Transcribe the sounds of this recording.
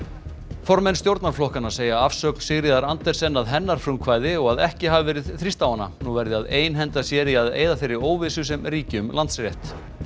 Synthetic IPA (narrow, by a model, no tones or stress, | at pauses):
fɔɾmɛnst̪jowɾt̪naɾ̥flɔhkanaseːjaafsœːkl̥sɪɣɾɪðaɾant̪ɛɾ̥sɛnːaðɦɛnːaɾ̥fɾʏmkʰvaːjðɪɔɣaðɛhcɪɦavɪvɛːɾɪðθɾist̪awanːa̰nuvɛɾðɪaðeːjnɦɛnt̪asjɛːɾiaðḛːjðafɪɾːɪoːwvɪsʏsɛmɾiːcɪʏmlant̪srjɛht̪